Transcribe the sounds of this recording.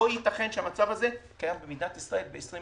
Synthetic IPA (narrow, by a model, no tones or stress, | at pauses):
ojit̪aχe̞nʃeamat͡savhaze̞kajambemidnat̪isʁaʔe̞lbeːsʁi